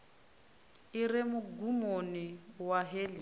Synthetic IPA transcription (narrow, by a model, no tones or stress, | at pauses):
irɛmʊɡumoniwaɦeːli